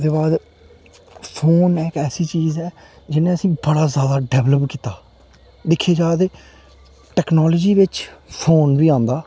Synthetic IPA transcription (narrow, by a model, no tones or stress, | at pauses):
d̪eːbaːd̪ | pʰoːnɛːkɛːsiːt͡ʃiːzɛː | d͡ʒɪnẽːəsĩːbəɽaːzjaːd̪aːɖɛːʋləpkiːt̪aː | d̪ɪkʰːeːd͡ʒaːd̪eː | ʈɛːknɔːləːd͡ʒiːʋɪt͡ʃpʰoːnbiːãːnd̪aː